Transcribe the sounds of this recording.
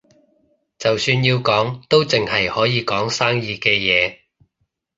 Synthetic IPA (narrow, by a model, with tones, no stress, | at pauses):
t͡sɐ˨wsyː˧njiː˧wkɔː˨˥ŋt̪o˥wt͡sɪ˨ŋhɐ˨jhɔː˨˥jiː˨˧kɔː˨˥ŋsaː˥ŋjiː˧kɛː˧jɛː˨˧